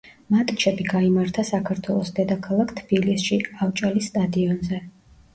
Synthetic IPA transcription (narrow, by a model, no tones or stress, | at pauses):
mat̪ʼit͡ʃʰɛbiɡaimaɾt̪ʰasakʰaɾt̪ʰwɛlˠɔsd̪ɛd̪akʰalˠakʰt̪ʰb̥ilisʃiavt͡ʃʼalisːt̪ʼad̪iɔnzɛ